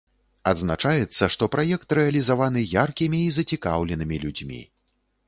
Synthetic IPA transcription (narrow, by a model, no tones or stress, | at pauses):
ɐd̪znat͡ʂajɛt̪sːɐʂt̪ɔpɾajɛkt̪ɾɛɐlʲizavan̪ɨjarkʲimʲiːzɐt͡sʲikawlʲɛnɨmʲilʲud͡zʲmʲḭ